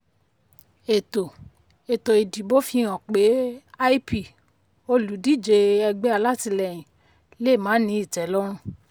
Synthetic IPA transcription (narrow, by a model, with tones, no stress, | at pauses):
e˨to˨ | e˨to˨i˨di˨˦bo˦fĩ˦˧˦ɔ̃˨k͡pe˨˦a˦i˦pi˦˨ | o˧lu˨˦di˦˨d͡ʒe˧ɛ˧ɡ͡bɛ˦a˧la˦ti˧lɛ˨j̃ĩ˨ | le˦˨mãː˨˦nĩ˨˦i˦˨tɛ˨˦lɔ˦ɾ̃ũ˧